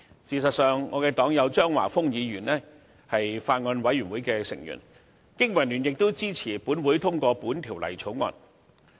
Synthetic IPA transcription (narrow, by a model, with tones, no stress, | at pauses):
siː˨˩sɐ˨t̚sœː˨ŋːɔː˨˧kɛː˧t̪ɔː˨˥ŋjɐ˨˧wt͡ʃœː˥ŋwa̰ː˨˩fʊ˥ŋjiː˨˧ɥyː˨˩nlɛː˥ | hɐ˨jfaː˧t̚ŋɔː˧nwɐ˨˥jɥyː˨˩nwuː˨˥jkɛː˧sɪ˨˩ŋjy̰ː˨˩n | kɪ˥ŋwɐ˨˩jnyː˨˩njɪ˨k̚t̪o˥wt͡siː˥t͡sʰiː˨˩puː˨˥nwuː˨˥jt̪ʰʊ˥ŋkʷɔː˧puː˨˥nt̪ʰiː˨˩wlɐ̰˨˩jt͡sʰo˨˥wŋɔ̰ː˧n